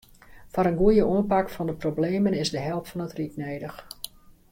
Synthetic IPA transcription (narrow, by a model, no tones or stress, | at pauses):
fɔɾənɡuəjəʔuənpakfɑndəprobleːmənɪzdəɦɛlˠptfɑnətriknejdəx